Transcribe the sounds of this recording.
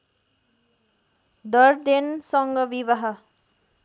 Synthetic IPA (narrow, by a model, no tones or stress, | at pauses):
d̪ʌɾd̪ensʌŋɡʌbiβʌɦʌ